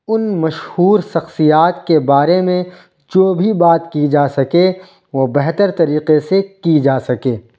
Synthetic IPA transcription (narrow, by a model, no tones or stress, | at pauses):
ʊnmɐʃhuːɾʃɐxsijaːt̪kebaːɾemẽ | d͡ʒoːbʱibaːt̪kid͡ʒaːsɐke | ʋobɛɦt̪əɾt̪ɐɾiːqesekid͡ʒaːsɐkeː